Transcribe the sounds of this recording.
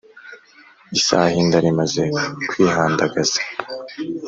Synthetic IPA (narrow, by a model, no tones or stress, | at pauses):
isa̰ːhindaɾimaze̞kwiːhaːndaɡaz̥ḁ